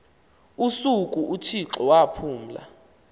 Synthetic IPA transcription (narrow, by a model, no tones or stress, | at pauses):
usukʼuʔutʰiǁɔwapʰuːm̩la̰